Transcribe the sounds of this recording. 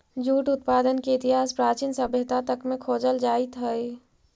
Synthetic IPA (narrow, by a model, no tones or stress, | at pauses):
d͡ʒuːʈut̪pad̪ənkeit̪iɦaspɾat͡ʃinsəbʱjət̪at̪əkmekʰod͡ʒəld͡ʒait̪ɦəj